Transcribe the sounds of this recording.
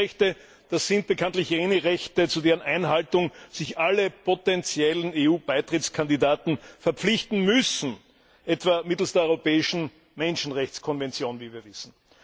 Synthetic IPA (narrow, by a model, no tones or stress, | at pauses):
ɛçtə | d̥asz̥ɪnt̚b̥əkʰãntlɪçeːnəʁɛçtət͡sudeːʁənʔaɪnɦaltʊŋz̥ɪçʔaləpʰotɛnt͡sjɛləneːuːb̥aɪtʁɪtt͡skʰandidaːtn̩fɛɐp͡flɪçtn̩mʏsn̩ | ʔɛtv̥amɪtl̩sd̥eɐɔʏʁopɛːɪʃn̩ | mɛnʃn̩ʁɛçt͡skʰɔnvɛnt͡sjoːnviːviːɐvɪsn̩